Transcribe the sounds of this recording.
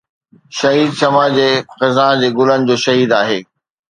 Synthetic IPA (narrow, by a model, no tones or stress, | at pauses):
ʃɐɦiːd̪̚ʃɐmaːd͡ʑeːxɐzãːd͡ʑeːɡʊlənɪ̆d͡ʑoːʃɐɦiːd̪aːɦeː